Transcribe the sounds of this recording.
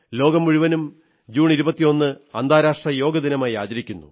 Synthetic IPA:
lo̞ːɡɐmuɻuʋɐnum | d͡ʑuːɳiɾubɐt̪ːijo̞nːɨɐnd̪ʱaːɾaːʂʈrɐjo̞ːɡɐd̪inɐmaːja̰ːt͡ɕɐɾikʲːunːṵ

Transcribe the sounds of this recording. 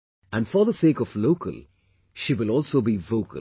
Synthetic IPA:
æ̃nfə˞ðəseːkɔvloʊkʰə̰lˠ | ʃiːwɪlɔlˠsoːbivoʊkʰə̰l

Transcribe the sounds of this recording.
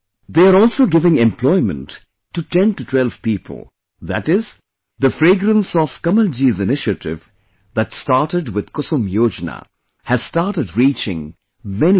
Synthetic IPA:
ðeːəɾɔːlˠsoɡɪvɪ̃ŋɛ̃mpʰlɔɪmə̰̃ntː | uʈɛ̃ntutʰwɛlv̥piːpʰə̰l̩ˠ | ðætɪz | ðəfɾeːɡɾə̃nsɔfkʌməld͡ʒizɪnɪʃətɪ̰v | ðætstaɾʈəɖwɪd̪̥kʊsũmjoːd͡ʒna̰ | hæz̥staɾʈəɖɹiːt͡ʃɪ̰̃ŋ | mɛni

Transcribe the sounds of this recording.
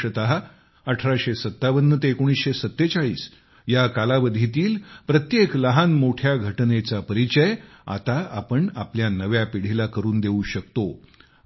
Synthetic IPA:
ət̪aɦa | əʈʰɾaɕesət̪ːaʋənːət̪ekoɽ̃isɕesət̪ːet͡saɭḭːs | jakalaʋəd̪ʱit̪iːlpɾət̪jekləɦanmoʈʰjaɡʱəʈnet͡sapəɾit͡ɕəj | a̰t̪aapəɳapljanəʋjapiɽ̤ilakəɾuːnd̪euɕək̚t̪o

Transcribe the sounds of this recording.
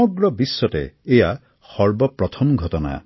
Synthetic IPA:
ɔɡɾɔbisːɔtḛeja | xɔɾbɔpɾɔt̪ʰɔmɡʱɔt̪ɔna̰

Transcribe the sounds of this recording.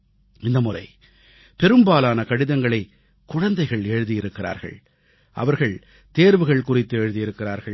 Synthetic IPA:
ɪnd̪ɐmʊrɐɪ | pɛɾɯmbaːlaːnɐkɐɽɪðɐŋɡɐɭɐɪ | kːʊɻɐnd̪ɐɪɣɐɭeːɻɯðɪjɪɾɯkːɪra̰ːɾɣɐ̰ɭ | ʔɐ̰ʋɐɾɣɐɭ | t̪eːɾʋɯɣɐɭkʊrɪt̪ːɯeːɻɯðɪjɪɾɯkːɪraːɾɣɐɭ

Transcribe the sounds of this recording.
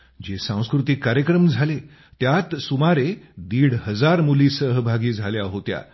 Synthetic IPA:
d͡ʑesãw̃skɾut̪ikːaɾjəkɾəmd͡zʱale | t̪jat̪sumaɾed̪iːɽhəd͡zaɾmuliːsəɦəbʱaɡiːd͡zʱaljaɦot̪ja̰

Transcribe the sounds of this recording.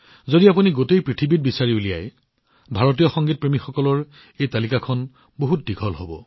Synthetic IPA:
zodiap̬uniɡotejpɹitʰibit̚bisaɹiulija̰j | bʱaɹot̬ijɔxɔŋɡit̚pɹemixɔkɔlɔɹ | ejtalikakʰɔn | boɦut̚diɡʱɔlɦobɔ̰

